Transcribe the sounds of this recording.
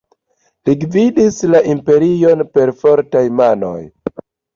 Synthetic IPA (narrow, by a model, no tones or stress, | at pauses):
liɡvidislaʔimpe̞ɾionpe̞ɾfo̞ɾtajmano̞̰j